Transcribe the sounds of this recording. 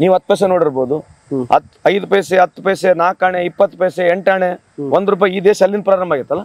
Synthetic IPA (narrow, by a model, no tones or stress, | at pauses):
niːʋɐt̪̚ːpɛːs̬eno̞ːɽiɾboːd̪u | ɐ̰t̪ɐjd̪upɐjseɐt̪ːupɐjsenaːkaːɳeipːɐt̪ːpejseeɳʈaːɳe | ʋond̪ɾuːp̬aːjiːd̪eːsɐlːinpɾaːɾɐmbʱaːɡiɾt̪ːɐlːɐ